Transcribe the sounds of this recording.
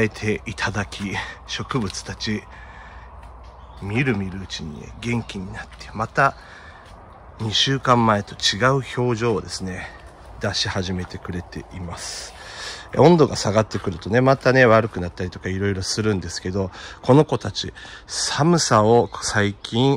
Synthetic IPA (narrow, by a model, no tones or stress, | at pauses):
e̞t̪ʰe̞it̪ʰad̪akʲiɕo̞kɯ̟bɯ̟t͡sɨ̥t̪at͡ɕi | mʲiɾɯ̟mʲiɾɯ̟ːt͡ɕiɲ̟ḭnḛɡẽ̞ŋkʲiɲ̟inat̪ːemat̪a | ɲ̟iɕɨːkãmːae̞t̪o̞t͡ɕiɡaɯ̟ço̞ːʑo̞ːd̪e̞sɨne̞ | d̪aɕihaʑime̞t̪e̞kɯ̟ɾe̞t̪e̞ʔimasɨ̥ | õ̞nd̪o̞ɡasaɡat̪ːe̞kɯ̟ɾɯ̟t̪o̞ne̞mat̪ane̞βaɾɯ̟kɯ̟nat̪ːaɾʲit̪o̞kaiɾo̞iɾo̞sɨɾɯ̟̃nd̪e̞sɨ̥ke̞d̪o̞ko̞no̞ko̞t̪at͡ɕḭsamɯ̟sao̞ksaikʲĩɰ̃